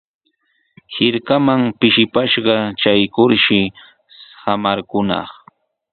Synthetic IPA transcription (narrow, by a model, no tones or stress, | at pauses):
hɪɾkamaŋpɪʃɪpaʃɢɑt͡ʃajkʊɾʃɪ | hamaɾkʊnɑ̰χ